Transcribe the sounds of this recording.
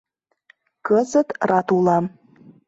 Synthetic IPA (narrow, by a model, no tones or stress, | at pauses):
kəzət̪rɑt̪ulɑm